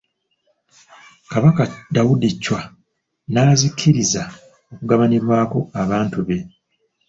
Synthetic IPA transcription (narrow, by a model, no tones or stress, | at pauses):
kaβakadawudicːwa | naːzikʰːiɾiza | o̞kuɡaβaniɾwaːko̞aβaːntuβe̞